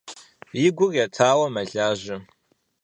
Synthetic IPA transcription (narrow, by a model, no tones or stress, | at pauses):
jɪɡʷʊrjatʰaːwɐmɐɮaːʒɐ